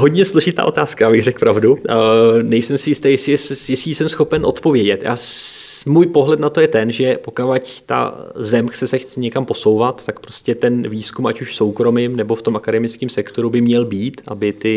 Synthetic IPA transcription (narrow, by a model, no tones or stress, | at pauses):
ɦo̞dɲɛslo̞ʒɪt̪a̰ːʔo̞t̪aːskajaːbɪɣrɛk̚pɾavdu | nɛjsɛmsɪjɪst̪aːjɛsjɛsɪiːsɛmsxo̞pɛnʔo̞̰t̪po̞vjɛɟɛt̪ʔa̰ːmuːjpo̞ɦlɛt̪nat̪o̞jɛt̪ɛnʒɛpokavact̪a̰zɛmxt͡sɛsɛxt͡sɛɲɛkampo̞so̞wvat̪ːakpɾo̞scɛt̪ɛnviːskumʔacuʃso̞wkɾo̞mɪmnɛbo̞ft̪o̞mʔakadɛmɪt͡skiːmsɛkt̪o̞ɾubɪmɲɛlbiːt̪ʔabɪt̪ɪ